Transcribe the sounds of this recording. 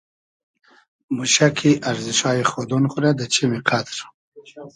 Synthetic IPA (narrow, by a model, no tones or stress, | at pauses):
muɕakʰiʔaɾziʂɑːjiχod̪unχuɾad̪ət͡ɕʰimiqʰat̪ɾ